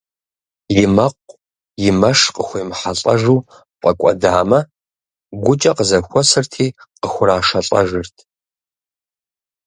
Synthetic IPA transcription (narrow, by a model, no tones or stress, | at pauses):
jɪmɐqʷʼ | jɪmɐʂqəxʷejmħaɬʼɐ̰ʒuː | qʷʼɐkʷʼɔ̰daːmɐ | ɡʷʊt͡ʃʼɐqəzɐxʷɔsɨrtʰiːqəxʷʊraːʂɐɬʼɐ̰ʒɪrtʰ